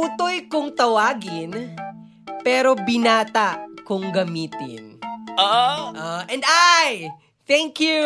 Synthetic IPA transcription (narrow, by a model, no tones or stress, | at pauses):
put̪ojkʊŋt̪ɐwaːɡɪn | pɛːɾo̞bɪnaːt̪akʊŋɡɐmiːt̪ɪ̰nʔoʔʔoʔɛ̃nd̪aj | t̪ɛŋkju